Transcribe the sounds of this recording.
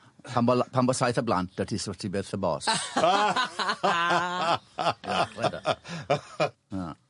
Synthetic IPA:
pʰambɔlpʰambɔsajθəblant̚dətʰisɔtʰibeθəbɔ̰ːsa | jawɛda̰ | a

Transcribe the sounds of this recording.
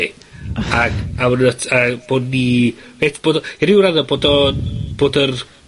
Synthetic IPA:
aɡawnətʰab̥oːdniveːtʰb̥oːdɔiɾɪwɾaðɔboːdɔb̥oːdər

